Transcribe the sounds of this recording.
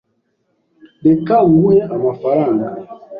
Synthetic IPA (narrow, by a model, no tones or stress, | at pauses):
bekaŋwɛamafaɾaŋɡa